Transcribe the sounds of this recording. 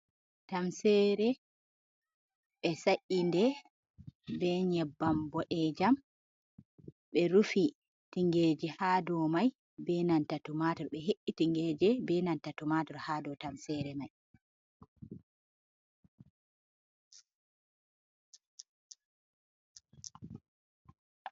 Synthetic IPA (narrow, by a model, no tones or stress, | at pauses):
tamsɛɾɛ | ɓɛsaʔindɛ | bɛɲɛbːambɔʔɛd͡ʒam | ɓɛɾufi | tiŋɡed͡ʒɛhaːdɔmaj | bɛnantatumatɔɾɓɛɦeʔːitiŋɡɛd͡ʒɛbɛnantatumadɔɾhaːdɔtamsɛɾɛmaj